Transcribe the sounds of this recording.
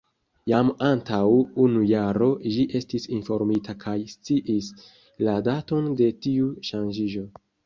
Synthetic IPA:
jamantawunujaɾo̞ʒiʔe̞stisinfo̞ɾmitakʰajst͡siʔis | ladato̞nde̞tiuʃand͡ʒiʒo̞

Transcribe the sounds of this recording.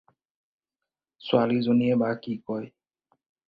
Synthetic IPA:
swalizoniɛbakikɔj

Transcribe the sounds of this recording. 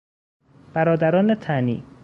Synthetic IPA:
b̥æɾɒːd̪æɾɒːnet̪ʰænḭː

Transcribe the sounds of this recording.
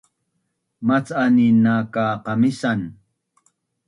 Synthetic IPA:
mat͡saninakaqɑmisan

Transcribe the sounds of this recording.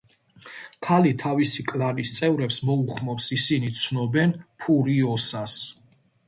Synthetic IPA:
kʰalit̪ʰavisikʼlanist̪sʼɛvɾɛpsmɔuχmɔpsisinit̪sʰnɔbɛnpʰuɾiɔsas

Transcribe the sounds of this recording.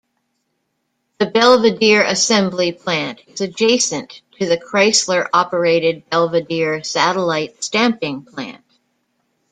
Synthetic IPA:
ðɨbɛlˠvɨdɪɹɨsɛ̃mblipʰl̥æ̃ntɨzɨd͡ʒeɪsɨ̃ntʰɨðɨkʰɹ̥aɪslə˞ʔɑpə˞eɪɾɨd̚bɛlˠvɨdɪɹsæɾəlaɪtstæ̃mpɪ̃ŋpʰl̥æ̰̃nt̚

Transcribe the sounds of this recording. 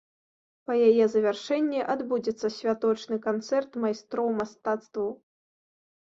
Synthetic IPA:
pɐjajɛzɐvʲarʂɛnʲːiʔad̪bud͡zʲɛt̪sːɐsʲvʲat̪ɔt͡ʂnɨkant̪sɛrt̪majst̪ɾɔwmast̪at̪st̪vɐw

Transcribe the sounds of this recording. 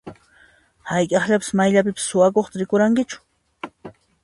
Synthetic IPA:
hajkʼɑχʎapɪ̥smajʎap̬ɪpɪ̥sːʊwakoχt̪aɾɪkʊɾaŋkɪt͡ʃʊ̥

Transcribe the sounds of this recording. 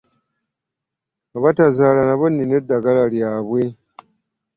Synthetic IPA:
aβatazaːlanaβonːinedːaɡalaljaːβwe

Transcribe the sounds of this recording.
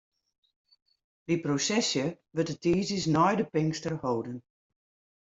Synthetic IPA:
diprosɛsjə | ʋətətʰiːzisnɔjdəpɪŋkstərhoːdən

